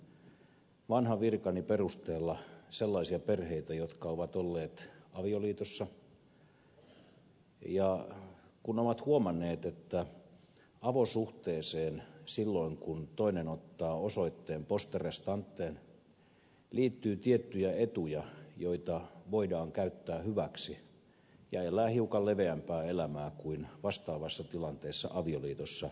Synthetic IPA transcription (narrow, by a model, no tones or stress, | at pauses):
ʋɑnhɑʋirkɑniperust̪eːlːɑselːɑisiɑperheit̪æjot̪kɑoʋɑt̪olːeːt̪ɑʋioliːt̪osːɑ | jɑ | kunoʋɑt̪huomɑnːˑeːt̪et̪ːæ | ɑʋosuht̪eːseːnsilːoiŋkunt̪oinenot̪ːɑːosoit̪ːeːmpost̪erest̪ɑnt̪ːeːn | liːt̪ːyːt̪iet̪ːyjæet̪ujɑjoit̪ɑʋoidɑːŋkæyt̪ːæːhyʋæksi | jɑelˑæːhiukɑlleʋeæmpæːelæmæːkuinʋɑst̪ɑːʋɑsːɑt̪ilɑnt̪eːsːɑ̰ʔɑʋioliːt̪osːɑ